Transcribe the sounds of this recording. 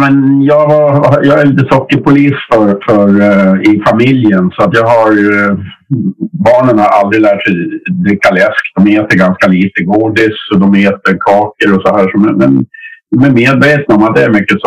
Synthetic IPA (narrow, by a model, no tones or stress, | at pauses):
mɛnjɑːɡvajɑːɡæɾliːt̪əsɔkːəɾpʰʊliːsfœɾfœɾɪfamɪljənsɔat̪jɑːɡɦhaɾ | bɑːɳənhaɾa̰ld̪ɾɪlæːʈsɛjd̪ɾɪkːalɛskd̪d̪ɔmeːt̪əɾɡanskaliːt̪əɡuːd̪ɪsɔd̪ɔmeːt̪əɾkʰɑːkəɾɔsɔhæːʂɔmɛnmɛ̰nd̪ɔmæɾmeːd̪veːt̪naɔmat̪̚d̪ɛæɾmʏkːəs